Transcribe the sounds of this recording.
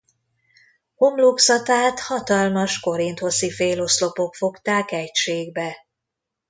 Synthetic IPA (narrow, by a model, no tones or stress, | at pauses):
homloksɒt̪aːt̪hɒt̪ɒlmɒʃko̞ɾint̪ho̞sifeːlo̞slo̞po̞kfo̞kt̪aːkɛcʃeːɡbɛ